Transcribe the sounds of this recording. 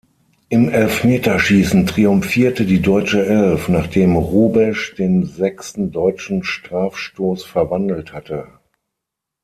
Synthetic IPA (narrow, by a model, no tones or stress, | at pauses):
ʔɪmʔɛlfmeːtɐʃiːsn̩tʁ̥iʊmfiːɐtədiːdɔʏt͡ʃəʔɛlfnaːχd̥eːmʁuːbɛʃd̥eːnzɛkstn̩dɔʏt͡ʃn̩ʃtʁ̥aːfʃtoːsfɛɐvandl̩thatə